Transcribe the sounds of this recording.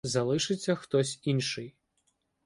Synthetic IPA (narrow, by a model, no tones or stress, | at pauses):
zɐlˠɪʃɪt͡sʲːɐxt̪ɔsʲinʃɪj